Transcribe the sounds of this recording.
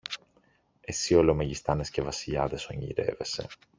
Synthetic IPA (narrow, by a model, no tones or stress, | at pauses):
e̞sio̞lo̞meʝist̪ɐne̞sce̞vɐsiʎɐðe̞so̞ɲḭɾe̞̰ve̞se̞̰